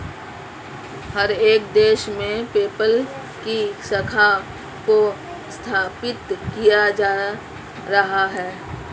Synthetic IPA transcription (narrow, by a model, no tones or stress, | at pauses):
hɐɾeːk̚d̪eːʃmẽpeːpəl | kisəkʰa | ko | st̪ʰaːpɪt̪kijad͡ʒaː | ɾɐɦaɦɛː